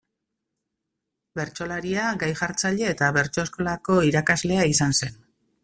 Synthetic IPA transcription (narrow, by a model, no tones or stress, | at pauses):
be̞ɾt͡ʃo̞laɾiaɡajʝaɾt͡saʎe̞ːt̪aβe̞ɾt͡ʃo̞esko̞lako̞iɾakazle̞aisanse̞n